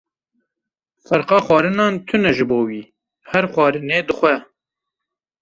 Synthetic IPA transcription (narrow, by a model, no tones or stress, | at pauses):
fɛɾqɑːxʷɑːɾɨnɑːnt̪ʰɨnɛʒɨboːwiː | hɛɾχʷɑːɾɨneːd̪ɨxʷɛ